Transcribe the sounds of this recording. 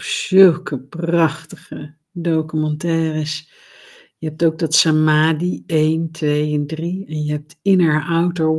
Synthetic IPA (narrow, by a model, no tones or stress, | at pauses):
pzɵlˠkəprɑχtəχə | dowkymɑntɛːrəs | jəɦɛp̚towɡ̚dɑtsamaːdiejntʋejɛndriɛnjəɦɛp̚tɪnəɹawtə